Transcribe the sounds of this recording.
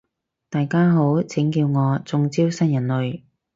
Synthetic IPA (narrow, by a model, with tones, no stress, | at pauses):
t̪aː˨jkaː˥ɦo˨˥wt͡sʰɪ˨˥ŋkiː˧wŋɔː˨˧t͡sʊ˨˧ŋt͡siː˥wsɐ˥njɐ˨˩nlɵ˨ɥ